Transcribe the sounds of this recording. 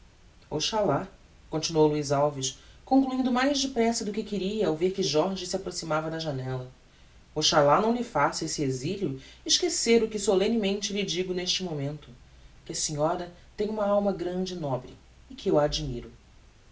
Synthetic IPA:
o̰wʃala | kõnt͡ʃinuowluizawviʃkõŋkluĩnd̪ʊmajʒd͡ʒɪpɾɛsɐd̪ʊkɪkɪɾiɐawveɾkɪʒɔɾʒɪsiapɾosimavɐd̪ɐʒanɛlɐ | oʃalanɐ̃w̃lɪfasesɪeziljʊɪʃkeseɾʊkɪsolẽnimẽnt͡ʃɪlɪd͡ʒiɡʊneʃt͡ʃɪmomẽnt̪ʊ | kɪɐsiɲɔɾɐ | t̪ẽɲ̃ũmɐawmɐɡɾɐ̃d͡ʒɪnɔbɾɪ | ɪkɪewad͡ʒimiɾʊ

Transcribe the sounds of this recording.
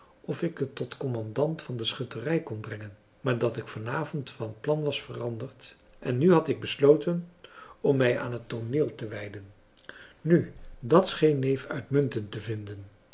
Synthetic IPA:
ɔfɪkɦətːɔtkɔmɑndɑntfɑndəsχʏtərɛjkɔnbrɛŋən | maːɹdɑtɪkfɑnaːvɔntfɑnətplɑnʋɑsfərɑndəɹt | ʔɛnːyɦɑtɪɡ̚bəslowtənɔmːɛja̰ːnɦətːonɪːlˠtəʋɛjdən | nydɑtsχejnːejfœ̰ɥtmɵntəntəvɪndən

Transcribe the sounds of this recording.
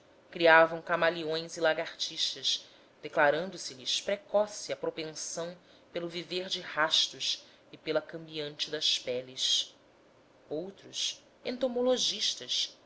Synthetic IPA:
kɾiavɐ̃w̃kamaliõj̃zilaɡaɾt͡ʃiʃt̪ɐs | d̪̥eklaɾɐ̃nd̪ʊsɪlɪspɾekɔsiɐpɾopẽsɐ̃w̃ | pelʊviveɾd͡ʒɪhaʃt̪ʊʃ | ɪpelɐkɐ̃mbiɐ̃nt͡ʃɪd̪ɐspɛlis | owt̪ɾus | ḛ̃nt̪omoloʒiʃt̪ɐs

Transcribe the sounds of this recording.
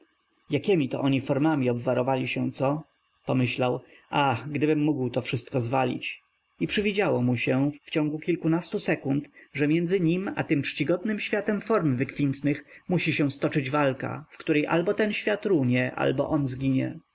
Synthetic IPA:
jakʲɛmʲit̪ɔ̰ʔɔɲifɔɾmamʲiɔbvaɾɔvalʲiɕɛ̃t̪sɔ | pɔmɘɕlawʔaxɡd̪ɘbɘmːuɡwt̪ɔfʂɘst̪̚kɔzvalʲḭt͡ɕ | ipʂɘvʲid͡ʑawɔmuɕɛft͡ɕɔ̃ŋɡukʲilkunast̪usɛkunt̪ʐɛmjɛnd̪zɘɲima̰t̪ɘmt͡ʂt͡ɕiɡɔd̪̚nɘmɕfʲjat̪ɛmfɔɾmvɘkfʲint̪nɘxmuɕiɕɛw̃st̪ɔt͡ʂɘd͡ʑvalka̰fkt̪uɾɛjʔa̰lbɔt̪ɛnɕfʲjat̪ɾuɲɛʔa̰lbɔ̰ʔɔnzɡʲiɲɛ̰

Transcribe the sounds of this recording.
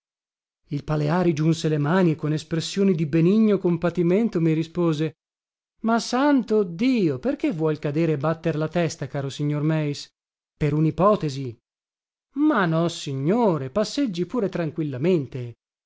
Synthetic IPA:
ilpaleaːɾid͡ʒunselemaːniekːonespɾesːjoːnid̪ibeniɲːokompat̪iment̪omirispoːze | masːant̪od̪iːoperk̟evːwɔjkad̪eːɾeːbːat̪ːeɾlat̪ɛst̪akaːɾosiɲːormɛis | peɾunipɔːt̪ezi | manːɔsiɲːoːɾepasːed͡ʒːipuːɾet̪ɾaŋkwilːament̪e

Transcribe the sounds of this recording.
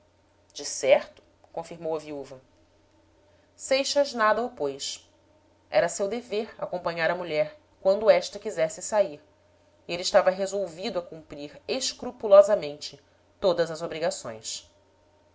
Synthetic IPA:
d͡ʒɪsɛɾt̪ʊ̥ | kõfiɾmowɐviuvɐ | sejʃɐznad̪ɐʊpojs | ɛ̰ɾɐsewd̪eveɾa̰kõmpɐ̃ɲaɾɐmuʎɛɾ | kwɐ̃nd̪ʊɛʃt̪ɐkizɛsɪsaiɾ | ielɪiʃt̪avɐɦezowvid̪ʊɐkũmpɾiɾeʃkɾupulɔzɐmẽnt͡ʃɪ | t̪od̪ɐzɐzobɾiɡasõ̰j̃s

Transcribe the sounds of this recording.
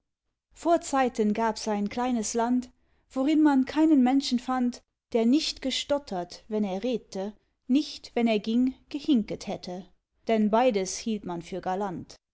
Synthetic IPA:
foːɐt͡saɪtənɡaːpsaɪnkl̥aɪnəslant | v̥oʁɪnmankʰaɪnənmɛnʃn̩fant | d̥eːɐnɪçtɡ̥əʃtɔtʰɐtvɛneːɐʁeːdətʰə | nɪçtv̥ɛneːɐɡɪŋɡ̥əhɪŋkəthɛtʰə | d̥ɛnbaɪdəshiːltmanfyːɐɡaɐlant

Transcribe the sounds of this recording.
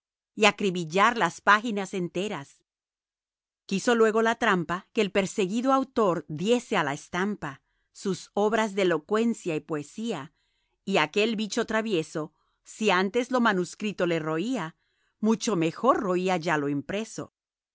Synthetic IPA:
iakɾiβiʝaɾlaspaxinase̞nt̪e̞ɾas | kiso̞lwe̞ɣo̞lat̪ɾampakeːlpe̞ɾse̞ɣiðoawt̪o̞ɾðje̞se̞alaest̪ampa | suso̞βɾazðeelo̞kwe̞nsjaipoesia | iake̞lbit͡ʃo̞t̪ɾaβje̞so̞ | siant̪e̞zlo̞manuskɾit̪o̞le̞ro̞ia | mut͡ʃo̞me̞xo̞ɾro̞iaʝalo̞impɾe̞so̞̰

